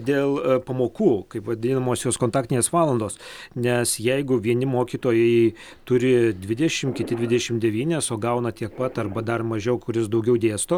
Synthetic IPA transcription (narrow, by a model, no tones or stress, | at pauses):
d̪ʲeːlˠpɐmoːkuːkɐɪpʋɐd̪ʲɪnɐmoːsjoːskoːnt̪ɑːkt̪ʲɪneːsʋɑːlˠɐnd̪oːsnʲɛsjɛɪɡʊʋʲiɛnʲɪmoːkʲiːt̪oːjɛɪ | t̪ʊɾʲɪd̪ʲʋʲɪd̪ʲɛʃʲɪmkʲɪt̪ʲɪd̪ʲʋʲɪd̪ʲɛʃʲɪmd̪ʲɛʋʲiːnʲɛsoːɡɐʊnɐt̪ʲiɛk̚pɐt̪ɐrbɐd̪ɐrmɐʒʲɛʊkʊɾʲɪs̬d̪ɐʊɡʲɛʊd̪ʲeːst̪oː